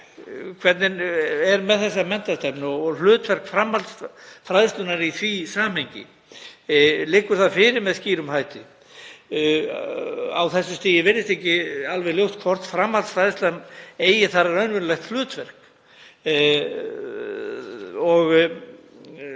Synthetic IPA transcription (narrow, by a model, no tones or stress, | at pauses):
kʰvɛɾt̪nɪnɛɾmɛðθɛs̬ːamɛn̥t̪ast̪ɛpnɔɔlʏːt̪vɛr̥kfɾamhalsfɾajðɪst̪ʏnaɾiθvisaːm̥hejɲcɪ̰ | lɪːkːʏɾ̥θaðfɪɾɪɾmɛðsciːɾʏmhaːjt̪ɪ | a̰wθɛsːʏst̪iːjɪvɪɾðɪst̪ehcɪalvɛɣljowt̪̚kʰvɔr̥t̪fɾamhalsfɾajðɪst̪laneːjɪθaɾaɾœɥnvʏnlɛxt̪lʏːt̪vɛr̥k | ɔɣ